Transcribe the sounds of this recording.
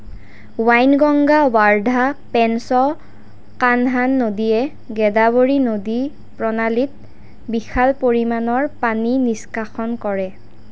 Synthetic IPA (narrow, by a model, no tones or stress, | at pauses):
wajnɡɔŋɡawaɹdʱapɛnsɔ | kanɦanːodiɛ | ɡɛdaboɹinodi | pɹɔnalit̚ | bixʰalpoɹimanɔɹpaniniskaxɔnkɔɹɛ